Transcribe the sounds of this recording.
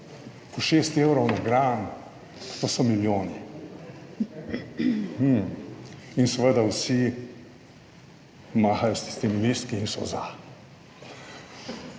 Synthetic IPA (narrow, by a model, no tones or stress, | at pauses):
pɔʃeːst̪eːwɾɔwnaɡɾaːn | posɔmiljoːni | insɛʋəd̪awsi | maːxajɔsi̥st̪emilist̪kiːnsɔ̰za